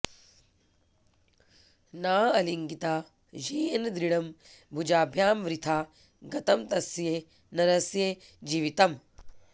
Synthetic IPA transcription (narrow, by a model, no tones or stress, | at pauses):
naːɐliŋɡit̪aː | d͡ʒeːɐnd̪ɾiɽɐmbʱud͡ʒaːbʱjaːmʋɾit̪ʰaː | ɡɐt̪ɐmt̪ɐsjeː | nɐɾɐsjed͡ʒiːʋit̪ɐm